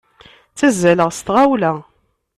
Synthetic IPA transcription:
t͡sːæzːæləʁst̪ʁawlæ

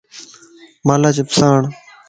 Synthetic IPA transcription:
maːlaːt͡ʃɪpsaːɳ

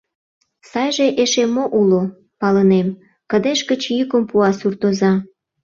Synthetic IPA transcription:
sɑjʒeʔeʃemːoʔulo | pɑlənem | kə̆d̪eʃkət͡ɕjykəmpuɑsurt̪ozɑ

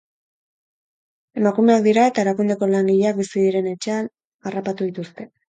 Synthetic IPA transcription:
e̞makume̞ak̚d̪iɾae̞t̪aeɾakund̪e̞ko̞laŋɡiʎeak̚bisiðiɾe̞ne̞t͡ʃe̞an | arapat̪uð̞it̪ust̪e̞

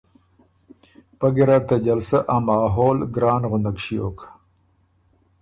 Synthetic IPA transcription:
paɡiɾaɾt̪ad͡ʒalsaʔamɑːɦoːlɡɾɑːnɣʊnd̪akʃio̰kʰḁ

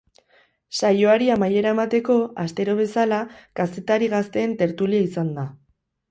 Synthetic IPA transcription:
sajo̞aɾiamaje̞ɾaemat̪e̞ko̞ast̪e̞ɾo̞β̞e̞salakase̞t̪aɾiɣast̪e̞ːnt̪e̞ɾt̪uliaisand̪a

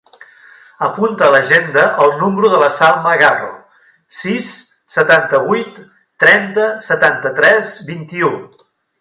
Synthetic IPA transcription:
əpunt̪əːləʒend̪əʔəlˠnumɾuðələsarməɣaro̰ | sisː | ət̪ant̪əβujt̪ː | ɾɛnt̪əsət̪ant̪ət̪ɾɛzbint̪iu

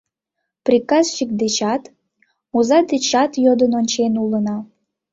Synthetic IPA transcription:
prʲikɑzʃik̚d̪et͡ɕɑt̪ | muzɑd̪et͡ɕɑt̪jod̪ənonʲt͡ɕenulənɑ

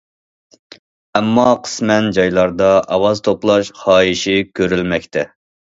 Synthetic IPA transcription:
ɛmːɑqʰə̥smɛnd͡ʒɑjlˠɑɾd̪ɑʔɑwɑzt̪ʰoplˠɑʃχɑːiʃikʲʰøɾylmɛkʲt̪ʰɛ

